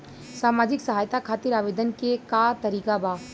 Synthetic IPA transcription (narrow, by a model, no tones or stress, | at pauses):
saːmaːd͡ʒɪksəɦaːjt̪akʰaːt̪iɾaːʋeːd̪ənkekat̪ɐɾiːkabaː